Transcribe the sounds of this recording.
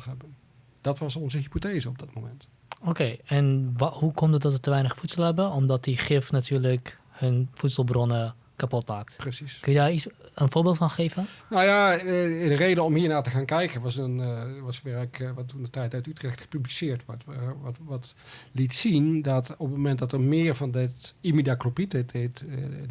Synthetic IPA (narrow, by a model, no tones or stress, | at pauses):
ɦɛbən | d̥ɑtʋɑsɔnzəɦipoteːzəɔb̚dɑt̚momɛnt | okeːɛnʋhukɔmdətdɔtətəʋɛjnəχfutsəlˠɦɛbəɔmdɑt̚diχɪfnatʰyːɹlək | hənfutsəlˠbrɔnə | kapɔtmaːk̚tprəsiskənjədaːɹisənfoːɹbɪːlˠtfɑnχeːvənnowjadərejdəɔmhiːɹnaːɹtəχaːnkɛjkənʋɑsənʋɑsʋɛəkʋɑtundətɛjtœtytrɛxtxə̥pyblisɪːɹtʋɔtʋɑt | litsindɑtɔpəmomɛntdɑtəɹmɪːɹvɑndɪtimidaklopitɪdet